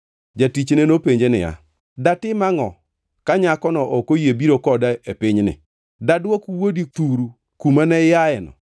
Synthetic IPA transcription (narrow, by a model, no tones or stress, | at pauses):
d͡ʒatit͡ʃnenopeɲd͡ʒenɪ̰ja̰ | datɪmaŋɔ | kaɲakɔnɔʔokojebiɾokɔdaepɪɲnɪ̰ | dadwokuwodit̪uɾu | kumanɛjaɛnɔ̰